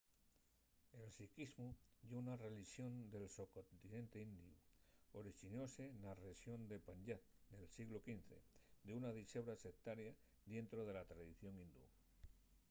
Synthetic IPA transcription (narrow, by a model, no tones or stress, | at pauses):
e̞lsikizmuʝounare̞liʃjo̞nd̪e̞lsokont̪inẽ̞nt̪e̞ind̪iuoɾiʃino̞se̞nareʃjo̞nd̪e̞paɲʎatd̪e̞lsiɣlo̞kin̟θe̞̰d̪eunaðise̞β̞ɾasek̚t̪aɾja | ðje̞nt̪ɾo̞ð̞e̞lat̪ɾaðiθjo̞ŋind̪ṵ